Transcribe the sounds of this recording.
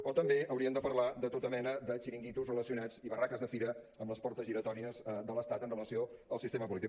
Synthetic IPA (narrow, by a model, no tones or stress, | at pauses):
ot̪əmbeʔəwɾiənd̪əpəɾlad̪ət̪ot̪əmɛnəd̪ət͡ʃiɾiŋɡit̪uzrələsiunad͡ziβərakəzðəfiɾə | əmləspɔɾt̪əzʒiɾət̪ɔɾiəzd̪ələst̪at̪ənrələsioəlˠsist̪eməpulit̪i